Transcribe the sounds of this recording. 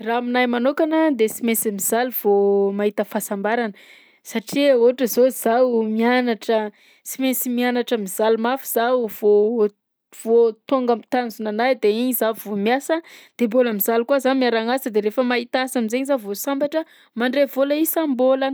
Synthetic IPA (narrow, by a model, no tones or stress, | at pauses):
raminajmanokanəd̪esimesimizaluv̥omaɦit̪əfasambaɾanə | saʈ͡ʂioʈ͡ʂəzoz̥awmianaʈ͡ʂə | simesimianaʈ͡ʂəmiz̥alumafiz̥awv̥o | v̥ot̪oŋɡamit̪anzunanajd̪eiɲizavomiasəd̪̥emboləmiz̥alkuəzanmiaɾaŋasəd̪eɾefəmaɦit̪asamizeɲizavosambaʈ͡ʂə | maɳɖ͡ʐevoləisambola